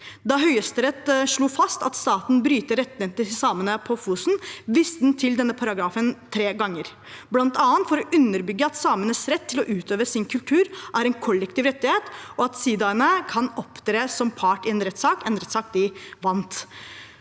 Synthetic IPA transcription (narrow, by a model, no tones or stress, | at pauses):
d̪ɑɦœʏəst̪əɾɛt̪ʂɭuːfɑst̪ɑt̪st̪ɑːt̪nbɾyːt̪əɾɛt̪ːnɛt̪ɪsɑːmənəpʰɔfuːsn̩ʋɪst̪əd̪nt̪ʰɪld̪ɛnːəpʰɑɾɑɡɾɑːfənt̪ʰɾeːɡɑŋːəɾ | blɑnt̪ɑːənt̪fɔɾɔʔʉnːəɾbʏɡːəɑt̪sɑːmənəsɾɛt̪ʰːɪlɔʔʉːt̪ʰøːʋəsɪnkʰʉlt̪ʰʉːɾʔæɾɛnkʰɔlːɛkt̪ɪːʋɾɛt̪ːɪheːt̪ɔɑt̪siːd̪ɑənəkʰɑnɔpːd̪ɾeːsɔmpʰɑʈɪɛnɾɛt̪ːsɑːkɛnɾɛt̪sɑːk̚d̪ɪʋɑnt̪